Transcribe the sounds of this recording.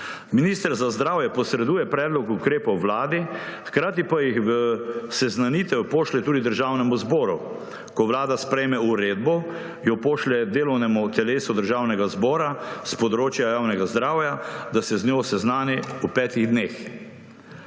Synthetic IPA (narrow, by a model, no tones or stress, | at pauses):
miniːst̪əɾzazd̪ɾaːwjɛpɔsɾɛd̪uːjɛpɾɛːd̪lɔkukɾeːpɔwʋlaːd̪ixkɾaːt̪ipajixʋəsɛznanit̪ɛwpoːʃlɛt̪uːd̪id̪əɾʒaːwnɛmuzbɔːɾu | kɔʋlaːd̪aspɾɛjmɛuɾeːd̪̚bɔ | jɔpoːʃlɛd̪eːlɔwnɛmut̪ɛleːsud̪əɾʒawnɛɡazbɔːɾaspɔd̪ɾoːt͡ʃjajaːwnɛɡazd̪ɾaːwjad̪asɛznjosɛznaːniupɛːt̪iɣd̪neːx